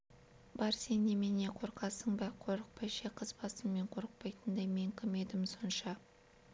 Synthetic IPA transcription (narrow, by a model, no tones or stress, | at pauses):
b̥ɑɾse̞nd̪e̞me̞ne̞qʰo̞ɾqɑsəɴbæqʰo̞ɾəq̚pɑjʃeqʰəzbɑsəmme̞ɴqʰo̞ɾəq̚pɑjt̪ənd̪ɑjme̞ŋkʲʰɪme̞d̪ɪmso̞nʃɑ